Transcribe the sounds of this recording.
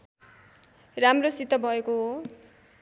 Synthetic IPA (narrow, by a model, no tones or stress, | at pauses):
ramrosit̪ʌbʱʌekoɦo